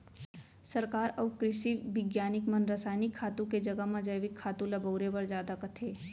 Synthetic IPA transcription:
sɐɾkaːɾɔːkɾɪʃiʋɪɡjaːnɪkmɐnɾɐsaːɪnɪkʰːaːt̪ũked͡ʒɐɡəɦmãd͡ʒəjʋɪkʰːaːt̪ũlɐboːɾebɐɾd͡ʒjaːd̪akɐt̪ʰeː

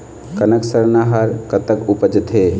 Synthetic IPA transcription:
kənəksəɾnaɦəɾkət̪əkupəd͡ʒt̪ɦe

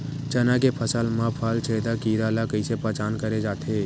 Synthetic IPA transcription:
t͡ʃɐnak̬epʰəsəlmãpʰaːlt͡ʃʰeːd̪akiːɾalakəɪsepət͡ʃaːnkəɾed͡ʒaːt̪ʰeː

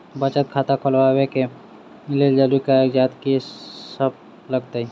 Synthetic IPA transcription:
bət͡ʃət̪̚kʰat̪akʰolwaweke | leld͡ʒalukaeːkd͡ʒaːt̪kisəb̚ | ləɡt̪ai

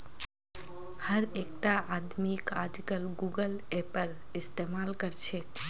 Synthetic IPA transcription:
həɾek̚ʈ̪aʔad̪ʱunikad͡ʒikəlɡuɡəlepəɾɪst̪emalkəɾt͡ʃʰe

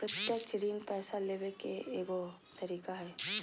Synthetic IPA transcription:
pɾət̪jat͡ʃɪɾiːnpɛːsaleːbekeeːɡo | t̪ɐɾiːkaɦɛː

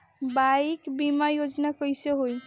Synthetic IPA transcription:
bajkbimajod͡ʒnakɔjseɦoj

